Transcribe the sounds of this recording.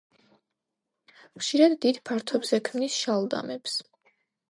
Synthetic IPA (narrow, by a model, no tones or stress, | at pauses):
χʃiɾad̪ːid̪pʰaɾt̪ʰɔbz̥ɛkʰmnisʃalˠd̪a̰mɛps